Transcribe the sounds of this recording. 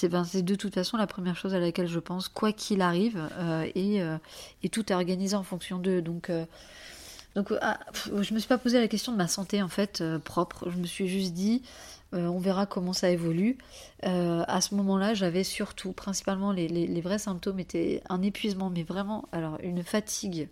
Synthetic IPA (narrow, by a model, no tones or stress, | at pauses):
sɛfɛ̃sɛd̪ət̪ut̪fasɔ̃lapχəmjɛʁʃozalakʲɛlʒəpɑ̃skwakʲʰilaʁivøeøet̪ut̪ɛɔʁɡanizeɑ̃fɔ̃ksjɔ̃d̪əd̪ɔ̃kø | d̪ɔ̃ka̰fʒəməsɥipapozealakʲɛst̪jɔ̃d̪əmasɑ̃t̪eɑ̃fɛt̪øpχɔpχʒəməsɥiʒyst̪̚d̪iøɔ̃vɛʁakɔmɑ̃saevɔly | øa̰səmɔmɑ̃laʒavɛsyʁt̪ʰupχɛ̃si̥palmɑ̃lelelevʁɛsɛ̃p̚t̪omet̪ʰɛɛ̰̃nepɥizmɑ̃mɛvʁɛmɑ̃alɔʁy̰nfat̪ʰiɡ